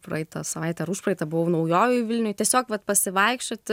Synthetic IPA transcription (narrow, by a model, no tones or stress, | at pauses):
pɾɐɪt̪ɐsɐʋɐɪt̪ʲɛɐɾʊʃpɾɐɪt̪ɐbʊʋɐʊnɐʊjoːjʊjʋʲɪlʲnʲʊjt̪ʲiɛsʲoːkʋɐt̪pɐsʲɪʋɐɪkʃʲt͡ʃʲoːt̪ʲɪ